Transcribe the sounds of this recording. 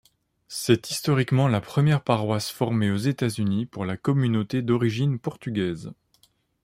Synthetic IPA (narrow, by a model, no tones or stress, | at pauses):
sɛt̪ist̪ɔʁikmɑ̃lapχəmjɛʁpaʁwasfɔʁmeozet̪azynipuʁlakɔmynot̪ed̪ɔʁiʒinpɔʁt̪yɡʲɛːz